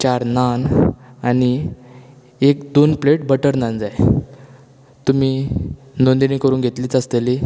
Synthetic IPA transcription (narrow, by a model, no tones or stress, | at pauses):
t͡ɕaɾnanani | ekd̪onpleʈbəʈəɾnand͡zaj | t̪um̤iː | nond̪inikəɾuːnɡʱet̪liːt͡səst̪eli